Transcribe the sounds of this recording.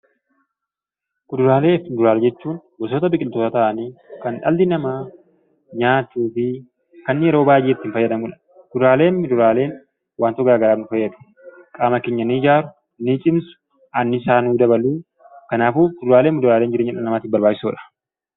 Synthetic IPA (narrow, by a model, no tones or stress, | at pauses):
kʊd̪ʊɾaːle̞ːfɪnd̪ʊɾaːɾd͡ʒɛt͡ʃːuːnbɔs̬oːt̪ɐbɪkʼɪlt̪oːt̪ɐt̪ɐʔɐniːkɐnᶑɐ̰ld̪ɪnɐmaː | ɲaːt͡ʃːuːfɪ | kɐnːɪjɛɾo̞ːbaːjʔeːt̪ːɪɪnfɐjːɐd̪ɐmuːᶑɐ̥ | kʊd̪ʊɾaːle̞ːnmɪd̪ʊɾaːle̞ːn | waːnt̪ɔɡaːɡɐɾaːbnʊfɐjːɐd̪ʊ̥ | kʼaːmɐkeːɲːɐniːd͡ʒaːɾʊ | nit͡ʃʼɪmsʊ̥ | ʔɐnːɪsaːnuːd̪ɐbɐluː | kɐnaːfuːkʊd̪ʊɾaːleːmɪd̪ʊɾaːleːnd͡ʒɪɾeɲːɐᶑɐnɐmaːt̪ɪbɐɾbaːd͡ʒɪ̥suːᶑɐ̥